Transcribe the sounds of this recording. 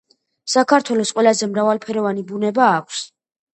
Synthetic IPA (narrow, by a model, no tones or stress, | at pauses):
sakʰaɾt̪ʰwɛlɔsqʼwɛlazɛmɾavalˠpʰɛɾɔvanibunɛbaːkʷʰs